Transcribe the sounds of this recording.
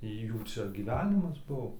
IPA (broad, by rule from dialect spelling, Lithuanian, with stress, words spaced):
ˈjuː ˈt͡ʃʲɛ ɡʲiːˈʋʲæːnʲɪmɐs ˈbuɔ